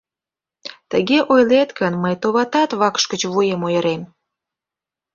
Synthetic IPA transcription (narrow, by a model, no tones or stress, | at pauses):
t̪əɣeʔojlet̪kənməjt̪oβɑt̪ɑt̪βɑkʃkət͡ɕβujemojəɾem